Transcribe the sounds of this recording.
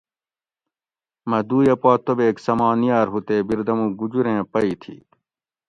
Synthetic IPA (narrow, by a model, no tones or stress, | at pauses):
mɐd̪uːjɐpaːt̪obeːksɐmãːnijaːɾɦut̪eːbiɾd̪ɐmũːɡud͡ʑuɾẽːpɐit̪ʰḭː